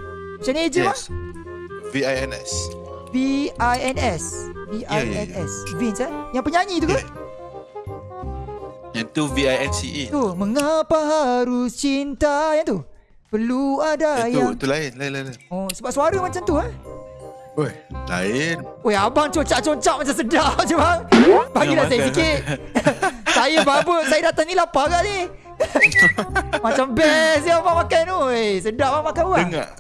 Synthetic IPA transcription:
mat͡ʃãnied͡ʒima | viajɛnɛ̰s | viajɛnɛsviʔaɛnɛsvit͡ʃanjaŋpəɲãɲĩt̪ukəl | jant̪uviajɛnsiʔit̪uməŋapaɦaɾut͡ʃint̪ajant̪u | pəluadajaŋt̪ulaɪnlalalosəbap̚suaɾəmat͡ʃamt̪ua | ojla̰ɪnojabaŋt͡ʃot͡ʃaʔt͡ʃoɲt͡ʃaʔmat͡ʃamsədaʔd͡ʒubaŋbaɡilasajəsikɪt̪̚ | sajəbabəʔsajadat̪aŋnilapaɡaʔni | mat͡ʃambɛs̬jamamakanosədaʔbamakanwaŋa̰ʔ

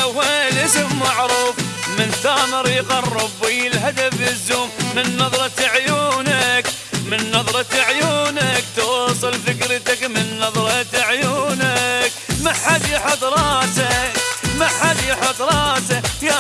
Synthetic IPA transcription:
walɪsɪmːaʕɾuːfmɪnθamɑɾˤɣɑrˤːʊbiɪlɦad̪afɪzːuːmːɪnːɑðˤɾˤɑt̪aʕjuːnak | mɪnːɑðˤɾˤɑt̪aʕjuːnakt̪wsˤɨlfɪkɾt̪akmɪnːɑðˤɾˤɑt̪aʕjuːnakmaħad̪jaħʊt̪ɾˤɑːtakmaħad̪jaħʊd̪ɾˤɑːsaa

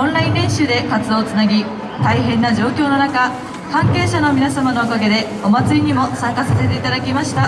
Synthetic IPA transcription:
õnɾaĩnɾẽ̞ɕɨːd̪e̞kat͡sɨd̪o̞ːt͡sɨnaɡʲi | t̪aiɦẽ̞nːaʑo̞ːkʲo̞ːno̞naka | kãŋke̞ːɕano̞mʲinasamano̞okaɡe̞d̪e̞ | o̞mat͡sɨɾʲiɲ̟imo̞sãŋkasase̞t̪e̞it̪ad̪akʲimaɕi̥t̪a

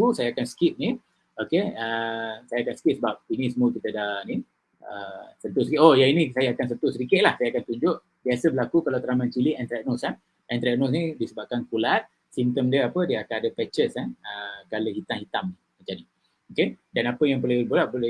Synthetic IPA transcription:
usajaakansə̥kip̚ni | okeəsajaːkansə̥kip̚səbap̚inisəmuəkit̪ədahni | əsənt̪ʊsəkiʔʔojainisajaakans̬ət̪ʊsəɾikɪʔ̪̚lahsajakant̪uɲd͡ʒʊʔ | biasəbəlakukalawt̪ɾamant͡ʃiliʔɛnt̪ɾɛk̚nɔsan | ɛnt̪ɾɛk̚nos̬nidisəbap̚kankulat̪̚ | simt̪əmdiəapədiəakanadəpɛt͡ʃəsanəkaloɦit̪aŋhit̪amni | mat͡ʃani | okedanapəjaŋpəlebolaʔ̚bol

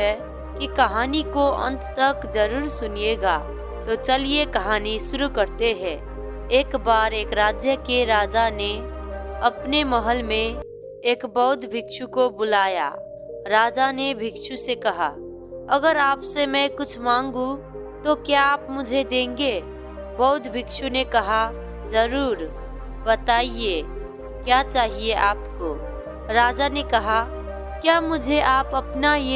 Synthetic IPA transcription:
ɛ | kikɐɦaːnikoə̰̃nt̪t̪ɐkd͡ʒɐɾuːɾsʊnijeɡaː | t̪ot͡ʃɐliekɐɦaːniʃʊɾukɐɾt̪eɦɛ̃ː | eːkbaːɾeːkɾaːd͡ʒjəkeɾaːd͡ʒane | ɐpnemɐɦəlmẽ | eːkbɔʊt̪bʱɪkʃukobʊlaːja̰ː | ɾaːd͡ʒanebʱɪkʃusekɐɦa̰ | ɐɡəɾaːpsemɛ̃kʊt͡ʃʰmãːŋɡũ | t̪okjaːpmʊd͡ʒʱed̪ẽːŋɡeː | bɔʊt̪bʱɪkʃunekɐɦa | zɐɾuːɾ | bɐt̪aːieː | kjaːt͡ʃaːɦieʔaːpko | ɾaːd͡ʒanekɐɦa | kjaːmʊd͡ʒʱeʔaːpɐpnaje

